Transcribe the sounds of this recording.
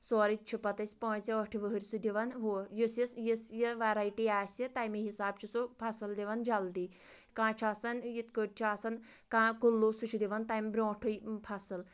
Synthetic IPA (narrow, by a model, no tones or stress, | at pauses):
soːɾit͡ʃʰipɐt̪ɐsʲpoːnt͡sɐəʈʰiʋəɦəɾʲsud̪iʋɐnɦojisjisjisjiʋaɾajʈiaːsʲit̪ajmiɦisaːbt͡ʃʰisupʰɐsɐld̪iʋɐnd͡ʒɐld̪i | kãːt͡ʃʰaːsɐnjit̪kəʈ̚t͡ʃʰaːsɐn | kãːkulːoːsut͡ʃʰid̪iʋɐnt̪aːmʲbɾʲõːʈʰujpʰɐsɨl